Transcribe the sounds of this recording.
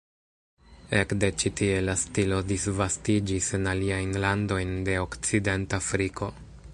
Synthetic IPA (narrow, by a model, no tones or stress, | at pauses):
e̞kde̞t͡ʃitie̞lastilo̞disvastid͡ʒise̞naliajnlando̞jnde̞o̞kt͡side̞ntafɾikʰo̞